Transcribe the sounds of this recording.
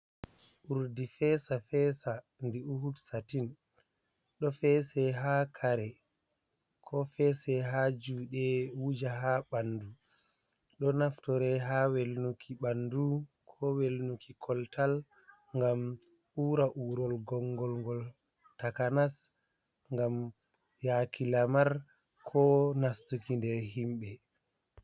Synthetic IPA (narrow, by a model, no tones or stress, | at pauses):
ʔuɾdifɛsafɛsa | ndiuhutsatin | ɗɔfɛsɛɦakʰaɾɛ | kʰɔfɛsɛɦad͡ʒuɗɛwud͡ʒaɦaɓanːdu | ɗɔnaftɔɾɛɦawelnukʰiɓandu | kʰɔwelnukikʰɔltʰal | ŋɡam | ʔuːɾaʔuːɾɔlɡɔŋɡɔlŋɡɔl | takanas | ŋɡam | jakilamaɾ | kʰɔnastukindɛɾɦimɓɛ